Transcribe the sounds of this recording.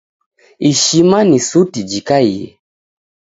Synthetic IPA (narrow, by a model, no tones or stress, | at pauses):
iʃimanisutid͡ʒikaijḛ